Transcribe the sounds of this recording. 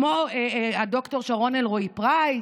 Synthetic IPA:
moado̞kto̞ʁʃaʁo̞nelʁoipʁaj

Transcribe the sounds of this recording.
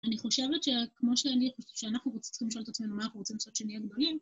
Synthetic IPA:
aniχo̞ʃe̞vet̪ʃekmo̞ʃeaniχuʃeanaχnuʁot͡st͡sχimliʃolt̪at͡sme̞numanaχnuʁot͡simlasot̪ʃeniaɡd̪o̞lim

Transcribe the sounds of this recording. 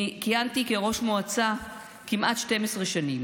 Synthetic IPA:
kijant̪ikeʁo̞ʃmoat͡sa | kimʔat̪ʃte̞mesʁeʃanim

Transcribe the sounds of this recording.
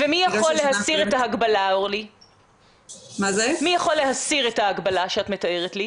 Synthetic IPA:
vemijaχolːehasiʁet̪aaɡbalaoʁli | mazemijaχo̞lːeɦasiʁetaːɡbalaʃeatmet̪aeʁetli

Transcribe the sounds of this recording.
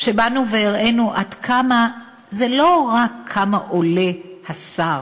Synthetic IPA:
ʃebanuveiʁe̞nuʔad̪kʰama | zelo̞ʁakʰːamaʔole̞hasaʁ

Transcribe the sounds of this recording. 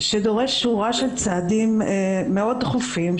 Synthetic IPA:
ʃed̪oʁe̞ʃʃuʁaʃelt͡saad̪imːeo̞d̪̚t̪χufim

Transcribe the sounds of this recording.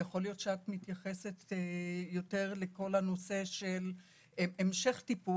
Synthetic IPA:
jaχo̞lijo̞tʃeat̪mit̪jaχe̞set̪jo̞te̞ʁle̞ko̞lano̞se̞ʃel | emʃe̞χtipu

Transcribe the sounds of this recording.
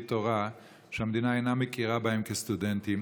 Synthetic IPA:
t̪oʁa | ʃehamd̪inaejnamekiʁabahemkest̪udentim

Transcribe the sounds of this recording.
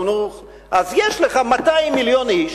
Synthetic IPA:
nuχ | ʔazjeʃleχamat̪ajmːiljo̞niʃ

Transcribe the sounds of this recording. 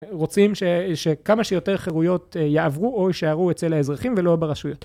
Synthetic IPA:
ʁo̞t͡simʃeʃekamaʃejo̞te̞ʁχeʁujo̞t̪jeʔavʁuojiʃaaʁuet͡se̞lhaezʁaχimvelo̞beʁaʃujo̞t̪

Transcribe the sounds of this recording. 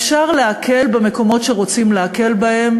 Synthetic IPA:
fʃaʁleakʰe̞lbeme̞ko̞mo̞tʃeʁo̞t͡simleake̞lbahe̞m

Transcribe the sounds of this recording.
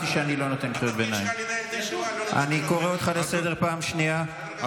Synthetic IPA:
tiʃeanilo̞not̪enχijot̪benajim | ʔa̰niko̞ʁeot̪χalesed̪e̞ʁpaːmʃnia

